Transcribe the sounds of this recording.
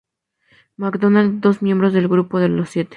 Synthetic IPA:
makd̪onald̪o̞smje̞mbɾozðe̞lɣɾupo̞ðelosːje̞t̪e̥

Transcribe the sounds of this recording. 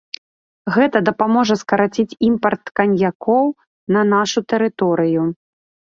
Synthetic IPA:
ɣɛt̪ɐd̪ɐpamɔʐɐskɐɾat͡sʲit͡sʲimpɐrt̪kɐnʲjakɔw | nɐnaʂut̪ɛɾɨt̪ɔɾɨju

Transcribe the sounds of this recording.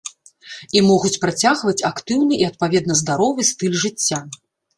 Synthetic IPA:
imɔɣut͡sʲpɾat͡sʲaɣvɐt͡sʲakt̪ɨwnɨʔiɐt̪̚pavʲɛd̪nɐzd̪aɾɔvɨst̪ɨlʲʐɨt͡sʲːa

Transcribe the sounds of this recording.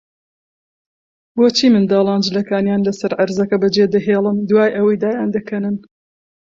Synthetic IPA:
woːt͡ʃʰiːmɨnd̪ɑːlˠɑːnd͡ʒɨlɐkaːnjaːnlɐsɐɾʕɐɾzɐkɐbɐd͡ʒeːd̪ɐɦeːlˠɨnd̪uwaːjʔɐwɐjd̪aːjaːnd̪ɐkʰɐnɨn

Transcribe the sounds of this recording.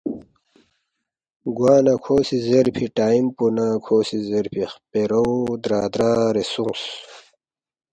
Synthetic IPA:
ɡwaːnakʰoːsizeɾpʰiʈaːimpunakʰoːsizeɾpʰiχpeɾowd̪ɾaːd̪ɾaːɾesuŋs

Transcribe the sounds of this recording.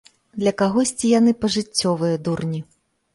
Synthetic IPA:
d̪lʲɐkaɣɔsʲt͡sʲijanɨpɐʐɨt͡sʲːɔvɨjɐd̪urnʲi

